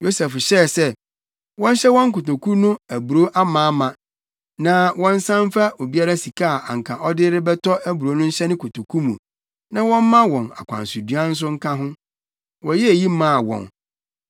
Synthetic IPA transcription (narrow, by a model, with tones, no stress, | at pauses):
jo˦sɛ˨fɕɛ˦˨sɛ˦ | wɔ̃˦n˦ɕɛ˦wɔ̃˦ŋ˦kʊ˨to˨kʰu˦nʊ̃˦æ˨bu˨ɾo˦ʔa˦mãː˨a˦mã˨ | nã˨wɔ̃˦n̩˦sã˦m˦fa˦ʔo˨bi˦a˦ɾa˦si˨kʰa˦a˨ʔa̰˨ŋ̩˨kʰã˨ʔɔ˦dɪ˦ɾɪ˦bɛ˦tʰɔ˦ʔæ˦bu˨ɾo˦nʊ̃˦n̩˦ɕɛ˦nɪ̃˦kʰʊ˨tʰo˨kʰu˦mṵ̃˨ | nã˦wɔ̃˦m̩˦mã˦wɔ̃˨na̰˨kʷʰã̰˨n˨su˨di˨˦a˦n̩˦s̬ʊ˦ŋ̩˦kʰã˦ɦʊ̃˦ | wɔ̃˨˦jɛ˦æ˨ji˦mã˦˨wɔ̰̃˨n